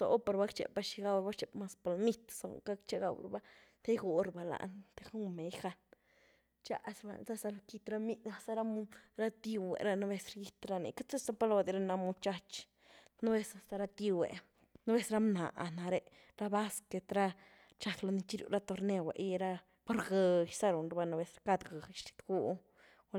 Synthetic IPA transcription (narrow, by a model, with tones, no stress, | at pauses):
so̰˨po˧ɾba˦kt͡ʃḛ˨p̚ba˧ʃi˧ɡa˧wba˦kt͡ʃe˨pma˧spo˧lmi˦t̪so̰˨ŋka˦kt͡ʃe˦ɡa˧w̰ɾba˦ | t̪e˦ɡu˨ɾba˨la̰˨ʔnt̪e˦xu˦me˨˦jxa˧n | t͡ʃa̰˦ʔsba̰˧˨za˦sa˧lki˧t̪ɾa˦mi˧a˧sa˦ɾa˦mu˦ɾa˦t̪i˧wḛ˨ɾa˦no˦be˧sɾa˧ji˦t̪ɾa˧nḭ˨ka˦t͡se˦sa˦pa˦lwa˧d̪i˧ɾa˦na˧mu˧t͡ʃa˦t͡ʃ | no˦be˧sa˧st̪a˧ɾa˧t̪i˧wḛ˨ | no˦be˧sɾa˦mna̰˨ʔna˨ɾe˧ | ɾa˦ba˦ske˧t̪ɾa˦ | t͡ʃa˧klo˧ni˧t͡ʃi˦ɾṵ˧ɾa˦t̪o˧ɾne˧wḛ˨jɾa˧ | po˦ɾɡe˨jsa˦ɾo˨nɾba˧na˧be˧sɾka˧d̪ɡa˨ʃt̪i̥˧t̪ɡu˧ʔ